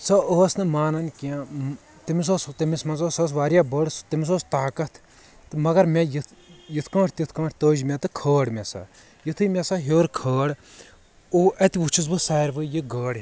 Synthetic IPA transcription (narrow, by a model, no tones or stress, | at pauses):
sɐəːsnɨmaːnɐnkiã | t̪imis̬oːst̪imismɐnzoːsɐːs̬ʋaːɾjabəɽst̪imis̬oːst̪aːkɐt̪ʰ | ɨmɐɡɐɾmʲejijit̪ʰkɐ̃ːʈʰʲt̪it̪ʰkɐ̃ːʈʰʲt̪əːd͡ʒmʲɛt̪ɨkʰəːɽmʲɛsɐ̰ | jit̪ʰɨmʲɛsɐɦoːɾkʰəːɽ | oːʔɐt̪iʋut͡ʃʰis̬bɨsɛːɾʋɨjɨɡəːɽ